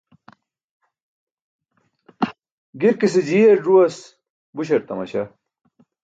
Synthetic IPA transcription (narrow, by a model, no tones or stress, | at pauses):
ɡiɾkised͡ʑiːeɾd͡ʑuɐs | buɕ̬ɐɾt̪ɐmɐ̰ɕa